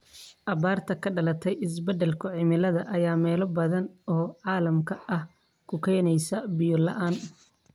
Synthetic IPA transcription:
ʔɐβaːrt̪ʰɐkʰɐɖɐlɐt̪ʰɛjɪs̬bɐd̪ɛlkʰʊʕɪmɪlɐðɐʔɐjaːmɛːlɔbɐðɐnɔːʕɑːlɐmkʰɐɐh | kʰʊkʰɛjnɛjsɐbɪjɔlɐ̰ʔaːn

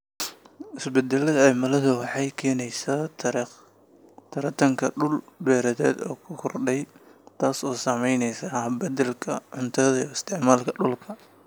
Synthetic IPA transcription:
ʔɪsbɛd̪ɛlɐðɐʕɛmɐlɐðʊwɑħɑjkʰɛːnɛjsaːt̪ʰ | t̪ʰɐɾɐt̪ʰɐŋkʰɐɖʊlbɛːɾɐðɛ̰ːd̪ɔ̰ːkʰʊkʰɔrɖɛjt̪ʰaːsɔːsamɛjnɛjsaːbɐd̪ɛlkʰɐʕʊnt̪ʰɐðɐiɪst̪ʰɪʕmaːlkʰɐɖʊlkʰɐ

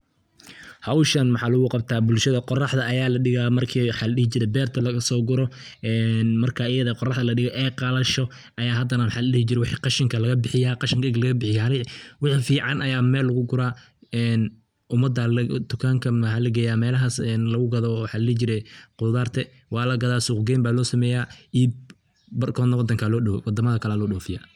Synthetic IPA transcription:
hɐwʃɐnwɑħɑːlʊɣʊqɑb̚t̪ʰaːbʊlʃɐðɐqɔrɑħd̪ɐːjaːlɐɖɪɣaːmɐrkʰiwħɑlɐɗɪhɪt͡ʃɪɾɛbɛːrt̪ʰɐlɐɣɐsɔːɡʊɾɔ | ʔɛːnmɐrkʰɐɪjɐðɐqɔrɑħðɐlɐɖɪɣɔʔɛːqɑlɐʃɔ | ʔɐjaːɦɐd̪ɐnɐwħɑlɐɗɪhɪt͡ʃɪɾɛwɪħiːqɑʃɪŋkʰɐlɐɣɐbɪħɪjaːqɑʃɪŋkɐɡlɐɣɐbɪħɪjahɐlɪwɑħfiːʕɑnɐjaːmɛːlːɐɣʊɡʊɾaː | ɛːn | ʔʊmɐd̪ːɐld̪ʊkʰaːŋkʰɐmɐɦɐlɐɡɛjaːmɛːlɐɦasɛnlɐɣʊɡɐðɔwʊħɑːlɐlɪht͡ʃɪɾɛqʊðaːrt̪ʰɛ | wɑːlɐɡɐðaːsʊːqɡɛːmbaːlɔːsɐmɛːjaːiːb | bɐrkʰɔːnɐwɑd̪ɐŋkʰaːlɔːɗɐwɔwɑd̪ɐmɐðɐkʰɐlaːlɔːɗɔːfɪja̰ː

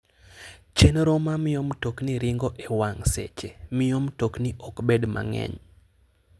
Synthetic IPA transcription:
t͡ʃenɾomamɪjomtokniɾɪŋɡɔʔewaŋsɛ̰t͡ʃemɪomtokniʔɔkbedma̰ŋɛ̰ɲ

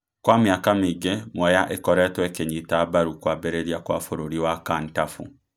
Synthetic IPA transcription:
kwamjakamiɡemwɛjaʔekɔɾɛtwɛkeɲitabaɾukwaːbeɾeɾiakwaːfoɾoɾiwakaːntafu

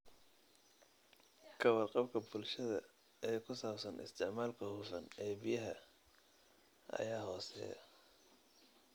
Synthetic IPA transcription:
kʰɐwɑrqɑbkʰɐbʊlʃɐðɐ̰ | ɛːkʰʊsaːbsɐnʔɪ̰st̪ʰɪʕmaːlkʰɐhuːfɐnɛːbijɐɦɐ | ʔɐ̰jaːɦɔːsɛ̰ːjɐ̰

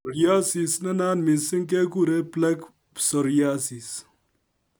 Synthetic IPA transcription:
ɾjaːsisnɐnaːnmisiŋkekuɾeplɐk | sɐɾjaːsis

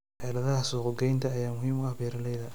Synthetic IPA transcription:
ħɛlɐðɐhɐsuːqɔɡɛjnt̪ʰɐːjaːmʊhiːmʊɐbjɛɾɐlɛjðɐ

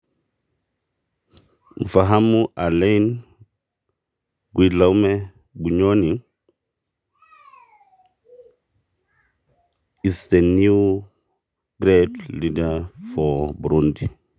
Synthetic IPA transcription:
mfaɦamːuʔalejn | ɡilawmɛ | buɲoniŋ | istenːi | ɡ̥ɾetlidafɔbuɾundi

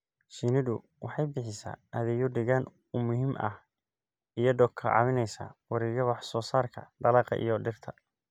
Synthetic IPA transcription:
ʃinɪdʊ | wɑħɑjbɪħɪsa̰ːʔɐðɛjʊɖɪɣaːn | ʊmʊɦimʔɐ̰h | ijɔɖ̪ɔkʰɐʕɑ̰wɪnɛjsa̰ːwɑɾiːɣɐwɑħsɔːsaːrkʰɐ̰d̪̥ɐlɑːqɐ̰ʔḭjɔɖɪrt̪ʰɐ

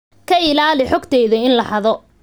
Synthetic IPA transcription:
kʰɐɪlaːlɪħɔɡt̪ʰɛjðɐɪnlɐħɐðɔ

